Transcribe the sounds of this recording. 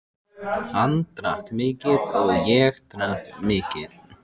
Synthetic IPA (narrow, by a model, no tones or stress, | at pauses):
hant̪ɾahkmɪːcɪðɔɣjɛɣt̪ɾahkmɪːcɪð